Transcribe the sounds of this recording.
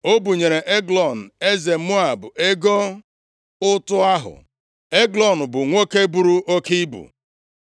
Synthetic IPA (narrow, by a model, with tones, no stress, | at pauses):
o˦bu˨ɲe˨ɾe˨ʔe˦ɡlɔ˨n̩˨e˦ze˨˦mʊ˦a˨bʊ˨ʔe˦ɡo˦ | ʊ˦tʊ˦a˦ɦʊ̰˨ | e˦ɡlɔ˨n̩˨bʊ˨ŋʷo˦ke˦bu˦ɾu˦ʔo˦ki˦bṵ˨